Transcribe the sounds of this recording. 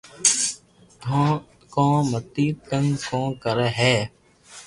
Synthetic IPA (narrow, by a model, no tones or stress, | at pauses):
kõːmət̪iːt̪əŋkõːkəɾɦɛː